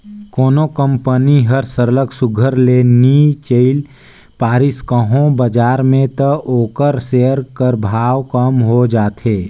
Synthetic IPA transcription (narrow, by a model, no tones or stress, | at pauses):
koːnokə̃mpəniɦəɾsəɾləksʊɡʱəɾlenit͡ʃəɪl | paːɾɪskəɦõbəd͡ʒaːɾmẽt̪əoːkəɾseəɾkəɾbʱaːwkəmɦod͡ʒaːt̪ɦeː